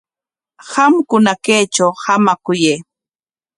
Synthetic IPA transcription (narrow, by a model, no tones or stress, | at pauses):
hamkʊnakejt͡ʃawhamakʊjeː